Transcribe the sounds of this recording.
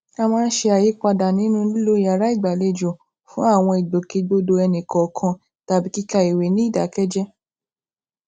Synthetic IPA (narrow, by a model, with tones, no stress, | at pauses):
a˦˧mãː˦˧n̩˦ʃe˧a˨je˨˦k͡pa˧da˨nĩ˨˦nũ˦lu˦lo˦i˦a˨ɾa˦i˦˨ɡ͡ba˨le˧d͡ʒo˨ | fũ˦a˦˨w̃ɔ̃˧i˨do˨ke˧ɡ͡bo˧do˧ɛ˧nĩ˨kɔ˨kʰã˧ | ta˦bi˦ki˦ka˦i˨we˨nĩ˨˦˨da˨˦kɛ˦d͡ʒɛ˦